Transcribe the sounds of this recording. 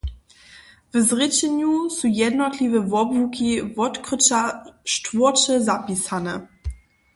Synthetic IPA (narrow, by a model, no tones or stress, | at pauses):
vəzʁɪt͡ɕɛɲusujɛdnɔtlivəvɔbvukivɔtkʁət͡ʃaʃtvɔɐt͡ʃəzapisanə